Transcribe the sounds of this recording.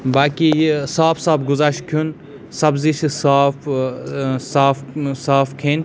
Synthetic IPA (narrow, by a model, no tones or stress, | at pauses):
baːkisaːfsaːbɡʊzaʃkʰun | sɐbziʃisaːf | saːfsaːfkʰen